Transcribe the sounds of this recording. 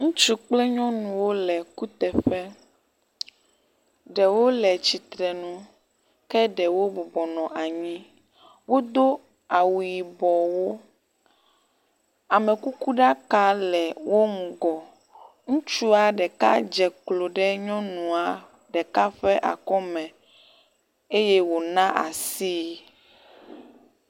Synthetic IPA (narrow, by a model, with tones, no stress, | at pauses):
ŋũ˦t͡ʃu˦k͡plɛ˦ɲɔ̃˦nũ˨wo˦lɛ˨ku˦t̪ɛ˨ɸɛ˦ | ɖɛ˨wo˦lɛ˨t͡ɕi˨t̪ɾɛ˨nũ˦ | kɛ˦ɖɛ˨wo˦bɔ˨bɔ˨nɔ̃˨ʔa˨ɲĩ˦ | wo˦d̪o˦ | a˨wu˨ji˨bɔ˨wo˦ | a˨mɛ̃˨ku˦ku˦ɖa˦ka˦lɛ˨wo˦ŋũ˨ɡɔ˨ | ŋũ˦t͡ʃu˦a˨ɖɛ˨ka̰˦d͡ʒɛ˨klo˨ɖɛ˦ɲɔ̃˦nũ˨a˨ | ɖɛ˨ka˦ɸɛ˦ʔa̰˨kɔ˦mɛ̃˨ | e˦jɛ˦wo˨nã˦ʔa˨si˦